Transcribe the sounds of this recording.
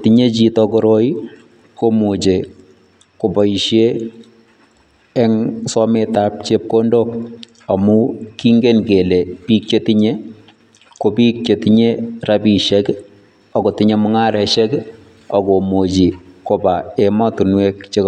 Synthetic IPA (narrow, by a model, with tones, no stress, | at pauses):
tiɲe˦t͡ʃi˨tɔko˦ɾo˦i˦ | ko˦mo˨t͡ʃe˨ | ko˨bɔ˨i˨ʃje˦ | ɛ˦ŋsɔ˦meta˦p̚t͡ʃe˦p̚ko˦ndo˦k̚ | ɔ˨mu˦ki˦ŋɡe˦nke˨le˨pi˦k̚t͡ʃe˦ti˦ɲe˦ | ko˨pi˦k̚t͡ʃe˨tiɲe˦rabi˨ʃɛ˦k | ɔ˨ko˨tɪ˦ɲe˦mʊ˦ŋa˦ɾɛ˨ʃɛ˦k | ɔ˨ko˨mo˨d͡ʒi˨ko˨ba˨emɔ˦tu˨nwe˦kt͡ʃe˦k